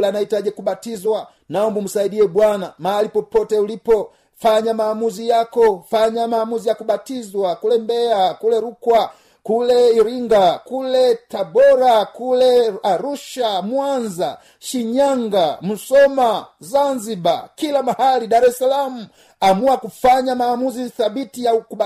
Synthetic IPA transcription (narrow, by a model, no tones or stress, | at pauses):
lanaitaʄɛkuɓatizwa | naɔmbum̩saiɗiɛɓwanamahalipɔpɔtɛulipɔ | faɲamaːmuzijakɔfaɲamaːmuzijakuɓatizwakulɛmbɛakulɛɾukwa | kulɛiɾiŋɡakulɛtabɔɾakulɛaɾuʃamwanza̰ | ʃiɲaŋɡam̩sɔmazanziba̰kilamahalidaɾɛsalamu | amuakufaɲamaːmuziθabitijauku